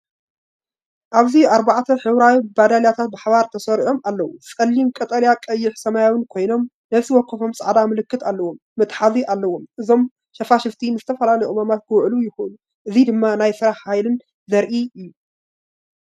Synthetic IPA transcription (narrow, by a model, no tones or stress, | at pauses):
ʔaβziaɾbaʕt̪ʰɐħɨwɾawibad̪aljat̪ʰat̪̚bɨħaβaɾt̪ʰɐsɐɾiʔo̞malːɐwusʼɐlːimkʼɐt̪ʼɐljakʼɐjːɪħsɐmajawɨnkʰo̞jno̞m | nɐβsɨwɔkʰːɨfo̞msʼɐʕd̪amɨlɨkːɨt̪ʰalːɐwo̞mːɨt̪ʼħaziʔalːɐwo̞mʔɨzo̞m | ʃɐfaʃɪft̪ʰinɨzɨt̪ʰɐfɐlalɐjomamat̪̚kʰɨwʕlujɪxunu | ʔɨzid̪ɨmːanajsɨɾaħhajlɨn | zɐɾʔiɨjːu